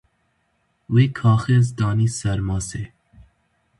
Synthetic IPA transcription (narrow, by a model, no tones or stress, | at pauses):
weːkʰɑːxezd̪ɑːniːsɛɾmɑːseː